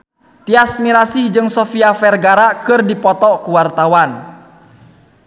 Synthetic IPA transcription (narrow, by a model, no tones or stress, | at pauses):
t̪iasmiɾasɪhd͡ʒɨŋsɔfiafɛrɡaɾakɨrdipɔt̪ɔkuwart̪awan